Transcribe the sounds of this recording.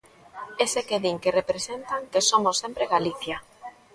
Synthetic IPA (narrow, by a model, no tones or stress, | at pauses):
esekeðiŋkerepɾesent̪aŋkesomosːempɾeɣaliθja